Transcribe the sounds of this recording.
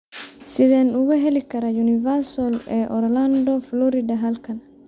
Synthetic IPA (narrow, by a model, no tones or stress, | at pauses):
sɪðɛːnʊɣɐɦɛlɪkʰɐɾɐjunɪvɐrsɔlɛːʔɔɾlɐnd̪ɔflɔɾɪdɐɦɐlkʰɐn